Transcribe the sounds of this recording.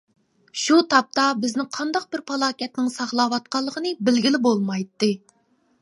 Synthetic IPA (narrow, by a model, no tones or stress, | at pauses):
ʃut̪ʰɑp̚t̪ɑbɪznɪŋqʰɑnd̪ɑq̚bɪɾpʰɑlˠɑːkʲɛt̪nɪŋsɑʁlˠɑːwɑt̪̚qɑlˠːəʁənɨbɪlɡʲilɪbolˠmɑjt̪ːɨ